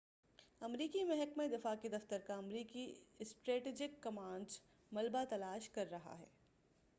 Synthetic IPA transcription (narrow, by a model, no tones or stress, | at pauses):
ɐmɾiːkimɛɦɛkmed̪ɪfaːked̪ɐft̪əɾkaɐmɾiːkisʈɾeːʈed͡ʒɪkːɐmãːɳɖz | mɐlbat̪ɐlaːʃkɐɾːɐɦa̰ɦɛ̰ː